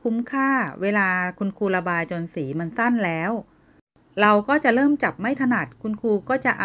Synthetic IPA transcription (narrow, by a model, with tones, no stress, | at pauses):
kʰu˦˥mkʰaː˥˩weː˧laː˧kʰu˧nkʰuː˧la˧baː˧jt͡ɕo˧nsiː˩˦ma˧nsa˥˩nlɛː˦˥w | ɾa˧wkɔː˥˩t͡ɕa˨˩ʔɾɤː˥˩mt͡ɕa˨˩p̚ma˥˩jt̪ʰa˧na˨˩t̪̚kʰu˧nkʰuː˧kɔː˥˩t͡ɕa˨˩ʔa˨